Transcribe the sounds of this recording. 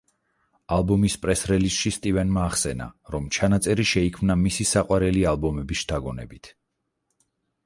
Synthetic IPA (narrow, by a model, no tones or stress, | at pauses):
alˠbɔmispʼɾɛsɾɛlisʃist̪ʼivɛnmaːχsɛna̰ɾɔmt͡ʃʰanat̪sʼɛɾiʃɛikʰmnamisisaqʼwaɾɛlialˠbɔmɛbisʃt̪ʰaɡɔnɛ̰bit̪ʰ